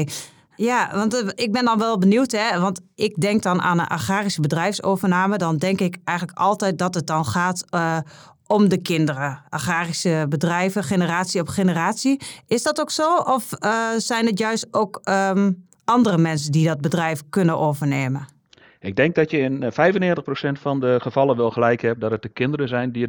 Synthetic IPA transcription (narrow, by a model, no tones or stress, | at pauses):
jaʋɑntɪk̚bɪndɔnʋɛlˠbəniwtɦɛʋɑntɪk̚dɛŋk̚dɔna̰ːnənʔa̰xaːrisəbədrɛjfsoːvərnaːmədɔndɛŋkɪkɛjxɣənləkɔlˠtɛjt̚dɔtət̚dɔnxaːt | ɔmdəkɪndərəʔaxaːrisəbədrɛjvəxenəraːsiɔfxenəraːtsiɪsdɔtoksoːʔɔfsɛjnətjœɥstoːk | ɑndərəmɛnsəndidɔt̚bədrɛjfkønəʔoːvərneːmən | ɪɡ̚dɛŋk̚dɔtjəɪnfɛjvənɪːtəχprosɛntfɔndəχəvɑlˠənʋɪlˠxəlɛjkhɛp̚dɔtət̚dəkɪndərəzɛjndi